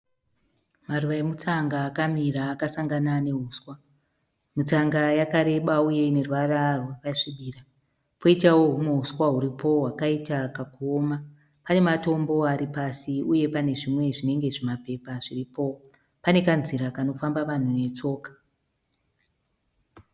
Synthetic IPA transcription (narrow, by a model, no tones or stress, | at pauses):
maruʋaemut͡saŋɡaːkamiɾaːkasaŋɡanane̞ɦuːswa | mut͡saŋɡajakaɾe̞ɓauje̞ne̞rwararwaʋaʂiɓiːra | poitawoɦumoɦuswaɦuɾipʰo̞ɦwakaitakakuoːma | pane̞mato̞mbo̞aɾipasiuje̞pane̞ʐimwe̞ʐine̞ŋɡe̞ʐemape̞paʐiripo̞ | pane̞kanziɾakano̞fambaʋan̤une̞t͡so̞ːkḁ